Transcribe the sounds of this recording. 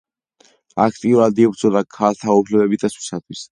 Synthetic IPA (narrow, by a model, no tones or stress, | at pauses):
akʰt̪ʼiuɾad̪ibɾd̪zʼɔd̪akʰalt̪ʰaupʰlɛbɛbit̪ʼasʰwi̥sat̪ʰwis